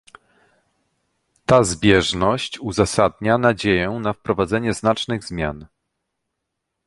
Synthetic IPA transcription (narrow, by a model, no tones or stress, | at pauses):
t̪azbʲjɛʐnɔɕt͡ɕuzasad̪̚ɲanad͡ʑejɛnafpɾɔvad̪zɛɲɛznat͡ʂnɘɣzmʲja̰n